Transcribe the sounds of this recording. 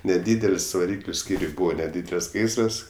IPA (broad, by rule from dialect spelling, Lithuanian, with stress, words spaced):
nʲɛˈdʲiːdʲɛlʲsʲ ʋɐˈrʲiːklʲʊ ˈsʲkʲiːrʲʊj ˈbuːʋɐ nʲɛˈdʲiːdʲɛlʲsʲ ˈɡɐɪsrɐs